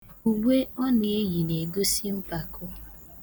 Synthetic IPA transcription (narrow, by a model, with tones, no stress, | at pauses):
u˨ɡʷe˦ɔ˦nɪ˨e˦ji˨ne˨ɡo˦si˦m̩˦pa˨kʊ˦